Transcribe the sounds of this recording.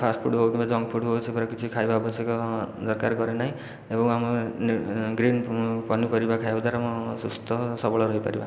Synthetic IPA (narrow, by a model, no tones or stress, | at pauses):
pʰasʈpʰuɽɦokibad͡zʌŋɡpʰuɽɦowt͡sʰipʌɾʌkit͡sʰikʰajbabʌsekod̪ʌrkarɡʌɾenʌj | ebʌ̃wamnɡrinpʌnupʌɾibakʰajɦod̪aɾʌmʌsust̪ʌsʌbʌɭʌɾʌɦipʌ̰ɾiba